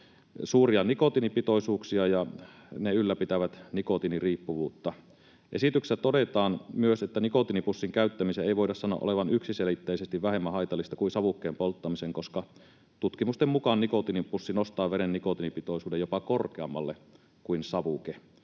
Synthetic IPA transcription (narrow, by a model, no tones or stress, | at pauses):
suːriɑnikot̪inipit̪oisuːksiɑjɑ | neylːæpit̪æʋæt̪nikot̪iniriːpːuʋuːt̪ːɑ | ʔḛsit̪ykst̪odet̪ɑːnmyøset̪ːænikot̪inipusːiŋkæyt̪ːæmiseeiʋoidɑssɑnːo̰ʔo̰leʋɑnyksiselit̪ːeisest̪iʋʋæhemːæhɑit̪ɑlːˑist̪ɑkuinsɑʋukːeːmpolt̪ːɑmiseŋkoskɑ | t̪ut̪kimust̪emmukɑnnikot̪inipusːinost̪ɑːʋeɾenːikot̪inipit̪oisuːdejopɑkorkeɑmːɑ̰lːe | kuinsɑʋuke